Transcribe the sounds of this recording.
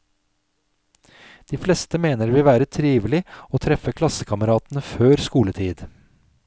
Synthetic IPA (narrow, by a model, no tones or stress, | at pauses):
d̪̥iːflɛst̪əmeːnəɾʋɪːʋæːɾət̪ʰɾiːʋlɪoːt̪ʰɾɛfəkʰlɑsəkʰɑməɾɑːt̪n̩əføːɾskuːlət̪ʰiːd̪